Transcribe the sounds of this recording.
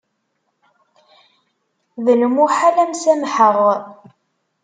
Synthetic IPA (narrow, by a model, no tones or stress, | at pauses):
ðənəmʊħalæmsæmħəʁ